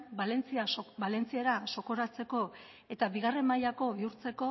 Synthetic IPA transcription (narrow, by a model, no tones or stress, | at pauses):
bale̞nt͡siabale̞nt͡sieɾaso̞ko̞ɾat͡se̞ko̞ | e̞t̪aβiɣare̞mːajako̞βiuɾt͡se̞ko̞